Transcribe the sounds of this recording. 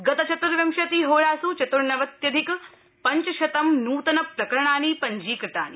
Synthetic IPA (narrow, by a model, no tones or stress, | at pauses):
ɡɐt̪ɐt͡ʃɐt̪uɾʋjɐmʃɐt̪iːɦoːɾaːsut͡ʃɐt̪uɾnɐʋɐt̪jɐd̪ʱik | pɐɲt͡ʃɐʃɐt̪ɐmnuːt̪ɐnɐpɾɐkɐɾɐɳaːniːpɐɲd͡ʒiːkɾɪt̪a̰ːni